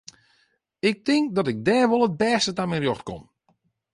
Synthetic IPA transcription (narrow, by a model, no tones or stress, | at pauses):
ɪk̚tɪŋk̚dɔtɪk̚dɛːʋolˠət̚bɛːstətamɛnrjoxtko̰n